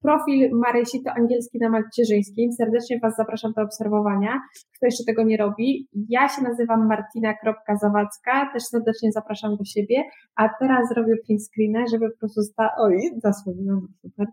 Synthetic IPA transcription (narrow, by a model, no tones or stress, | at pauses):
pɾɔfʲilmaɾɛɕit̪ɔʔaŋɡʲjɛlskʲinamat͡ɕɛʐɘj̃skʲimsɛɾd̪ɛt͡ʂɲɛvazːapɾaʂamd̪ɔːpsɛɾvɔvaɲakt̪ɔjɛʂt͡ʂɛt̪ɛɡɔɲɛɾɔbʲijaɕɛnazɘvamːaɾt̪inakɾɔp̚kazavat̪skat̪ɛʂsɛɾd̪ɛt͡ʂɲɛzapɾaʂamd̪ɔɕebʲjɛ | ʔat̪ɛɾaszɾɔbʲjɛpʲinskɾʲinɛʐɛbɘpɔpɾɔst̪ust̪aʔɔjzaswuvʲiwamasupɛɾ